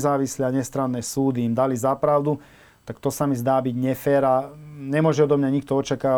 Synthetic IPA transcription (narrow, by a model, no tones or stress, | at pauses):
zaːʋisliaɲɛst̪ɾaːnːɛːsuːd̪iːmd̪alizapɾaʊd̪u | t̪akt̪ɔsamizd̪aːbiɟɲɛfɛːɾaɲɛmʊɔʒɛɔd̪ɔmɲaɲik̚t̪ɔɔt͡ʃakaː